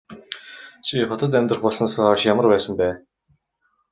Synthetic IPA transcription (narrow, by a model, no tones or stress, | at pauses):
t͡ɕʰiχɔt̪ə̆t̪̬æmʲt̪rə̆χpɔsɞ̆nsaʃjamərpæːsə̆mpæː